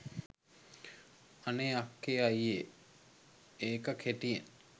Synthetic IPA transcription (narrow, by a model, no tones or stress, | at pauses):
ɐneakːeajje | eːkəkʰeʈien